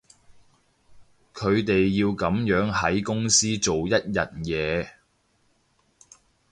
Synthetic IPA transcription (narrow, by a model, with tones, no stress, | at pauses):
kʰɵ˨˧ɥt̪e˨jːiː˧wkɐ˨˥mjœː˨˥ŋhɐ˨˥jkʊ˥ŋsiː˥t͡ʃt͡so˨wjɐ˥t̚jɐ˨t̚jɛː˨˧